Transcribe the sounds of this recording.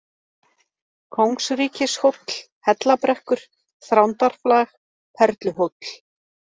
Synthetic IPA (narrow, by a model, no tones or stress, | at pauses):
kʰowŋksɾiːcɪshowpl̥ | hɛt̪lapɾɛhkʏɾ̥ | θɾawnt̪aɾ̥flax | pʰɛɾt̪lʏɦopl̥